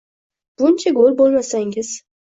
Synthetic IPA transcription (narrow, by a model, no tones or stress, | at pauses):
b̥ʊnt͡ʃʰaɡolbolˠmasaŋɪz̥